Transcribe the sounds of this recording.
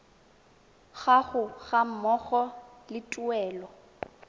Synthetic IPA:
ɣaɣʊɣam̩mɔɣɔ | lɪtʼʊɛːlɔ

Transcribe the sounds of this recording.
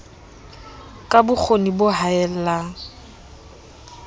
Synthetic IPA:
kʼabʊk͡xʰonibʊɦaɛlla

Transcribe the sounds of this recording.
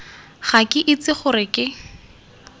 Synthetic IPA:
χakʼɪʔɪt͡sɪχʊrɪkʼɪ

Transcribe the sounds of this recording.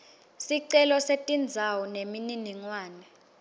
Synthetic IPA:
siǀɛlɔsetʼind͡zʱawɔnemininiŋwaːnɛ

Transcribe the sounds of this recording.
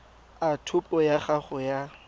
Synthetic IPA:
atʰʊpʼɔjaχaχʊja

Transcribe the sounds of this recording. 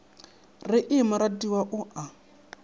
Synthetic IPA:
rɪʔɪmʊɾadiwaʔʊʔa

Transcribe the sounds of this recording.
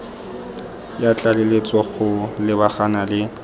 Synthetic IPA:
jat͡ɬʼalelet͡sʼwaɣʊlɪbaχanalɪ

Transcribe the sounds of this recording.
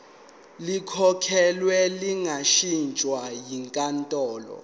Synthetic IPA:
likʰɔkʰɛlwɛliŋaʃint͡ʃʼwajiŋkʼantʼɔːlɔ̰

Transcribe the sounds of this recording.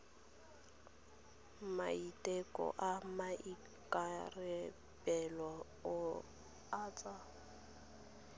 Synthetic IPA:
maitʼɛkʼɔ̰ʔamaʔi | kʼarɛ | bɛlwa | ʊ | aːt͡sʼa

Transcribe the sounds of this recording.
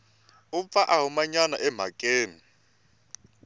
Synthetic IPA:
ʊp̪faʔaɦumaɲanaʔɛm̤a̰kʼeːni

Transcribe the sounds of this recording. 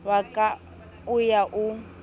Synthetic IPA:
wakʼa | ʊjaʔu

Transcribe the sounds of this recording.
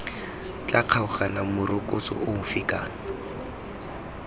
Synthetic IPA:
t͡ɬʼaq͡χʰaʊχanamʊrʊkʼʊt͡sʼɔ̰ʔʊmʊfikʼa̰ːna

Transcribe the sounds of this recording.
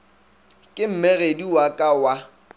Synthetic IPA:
kʼɪm̩mɛɣediwakʼawa

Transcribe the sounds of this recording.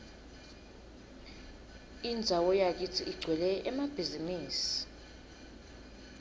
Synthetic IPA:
ind͡zʱawɔjak̬itʰiʔiɡ͡ǀʱwɛlɛʔɛmab̥ʱiziniːsi̥

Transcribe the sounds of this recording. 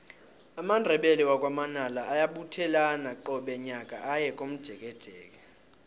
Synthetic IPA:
amandʱɛɓeliwak̬ʼwamanalaʔajaɓutʰɛlanaǃɔɓɛɲakʼaʔajɛkʼom̩d̥ʒ̥ʱɛk̬ʼɛd̥ʒ̥ʱɛːk̬ʼɛ

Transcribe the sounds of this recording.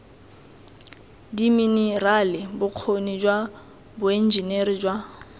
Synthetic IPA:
diminiralɪbʊq͡χʰonid͡ʒwa | bʊen̩d͡ʒinerɪd͡ʒwa

